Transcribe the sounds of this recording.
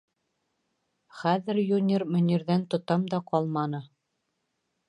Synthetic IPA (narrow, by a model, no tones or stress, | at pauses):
χæðɘ̆ɾjunʲermɵ̆nʲiɾðænt̪ŏt̪ɑmd̪ɑqɑlˠmɑnɤ